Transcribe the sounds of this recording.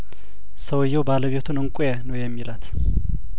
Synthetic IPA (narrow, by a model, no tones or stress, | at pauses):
səwɨjːɛwbaləβet̪ʰunɨŋkʷʼjɛnəwjɛmːilat̪